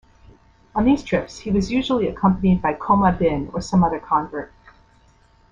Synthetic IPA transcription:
ə̃nðiz̥tʰɹ̥ɪpshiwʌzjʉʒl̩ˠiɨkʰʌ̃mpənid̚baɪkʰõʊməbɪ̃nə˞sʌ̃mʌðə˞kʰɑ̃ɱvə˞t̚

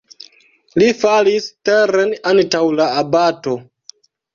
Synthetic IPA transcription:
lifalisteɾenantawlaːbato̞

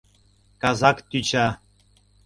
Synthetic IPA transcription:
kazɑkt̪yt͡ʃa

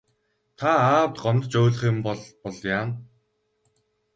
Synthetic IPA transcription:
t̪ʰaaːwt̪ɢɔnt̪t͡ɕoːɮ̆χɪ̆mpɔɮpɔɮjaːn

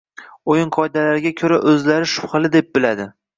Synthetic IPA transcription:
ojɪŋqʰɒɪd̪alaɾɪɡʲakʲʰɵɾaʔɵzlaɾɪʃʊ̥pχɨlɪd̪e̞p̚bɪlad̪ɪ

